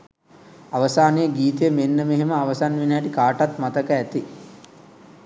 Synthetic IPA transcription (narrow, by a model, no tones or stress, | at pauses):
aʋəsaːnejəɡiːt̪əjəmenːəmeɦeməaʋəsanʋineːʈikaːʈat̪mat̪əkəæt̪i